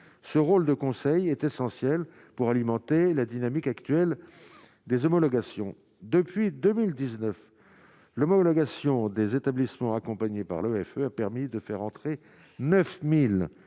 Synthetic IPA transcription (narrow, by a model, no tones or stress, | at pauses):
səʁold̪əkɔ̃sɛjɛt̪esɑ̃sjɛl | puʁalimɑ̃t̪elad̪inamikakt̪ɥɛl | d̪ezɔmɔlɔɡasjɔ̃ | d̪əpɥid̪əmild̪iznœf | lɔmɔlɔɡasjɔ̃d̪ezet̪ablismɑ̃akɔ̃paɲepa̰ʁløɛføapɛʁmid̪əfɛʁɑ̃t̪χe | nœfmil